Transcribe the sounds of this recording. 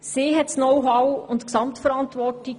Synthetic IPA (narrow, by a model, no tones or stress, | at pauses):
siːɦɛtsnɔwɦawʊntksɑmtfəɾɑntʋɔɾti